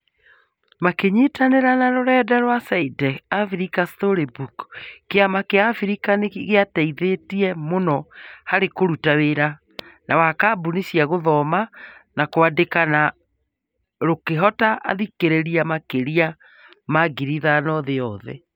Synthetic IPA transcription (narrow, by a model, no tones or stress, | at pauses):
makeɲitaneɾanaɾoɾɛːdaɾwasaidɛafiɾikastoɾebukkeamakeafiɾikaneɣeataiðetiɛmonɔhaɾekoɾutaweɾa | nawakaːbunisiaɣoðɔmanakoadekana | ɾokeɦɔtaʔa̰ðikeɾeɾiamakeɾia | maɡiɾiðanɔðeɔðɛ̰